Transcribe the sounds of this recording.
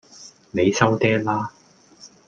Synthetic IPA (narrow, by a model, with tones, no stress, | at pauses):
ne˨˧jsɐ˥wt̪ɛː˥laː˥